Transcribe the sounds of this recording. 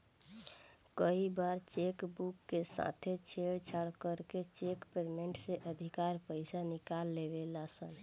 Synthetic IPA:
kəibaɾt͡ʃekbukːesa̰t̪ʰet͡ʃʰeɽt͡ʃʰaɽkəɾket͡ʃekpeɾmeɳʈseʔəd̪ʱikaɾpəɪsanikalːebelasən

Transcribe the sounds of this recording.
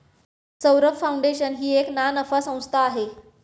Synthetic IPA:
səwɾəkfauɳɖeɕənɦiːeknanəfasə̃w̃st̪ʰaːɦe

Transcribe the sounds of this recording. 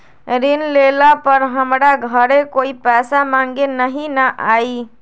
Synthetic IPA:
ɾinlelapəɾɦəmɾaɡʱəɾekoipɛsamãŋɡenəɦinəʔai

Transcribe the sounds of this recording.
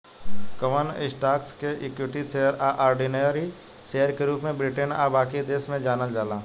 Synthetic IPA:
kəʋənɪ̰sʈaːkskeʔɪkɪʈiseːəɾaʔaːɾɖineɾi | sejəɾkeɾuːpmẽbɾɪʈəna̰ːbaːkid̪eːsmẽd͡ʒaːnəld͡ʒaːlaː

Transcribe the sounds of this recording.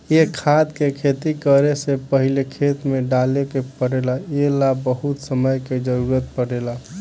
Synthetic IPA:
jekʰad̪kekʰet̪ikəɾesepəɦilekʰet̪meɖalekepəɽelaelabəɦut̪səməjked͡ʒəɾuɾət̪̚pəɽela

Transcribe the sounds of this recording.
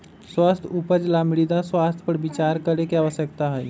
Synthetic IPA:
swast̪ʰupəd͡ʒlamɽid̪aswast̪ʰpəɾbit͡ʃaɾkəɾekeaʋəʃjəkt̪aɦɛj

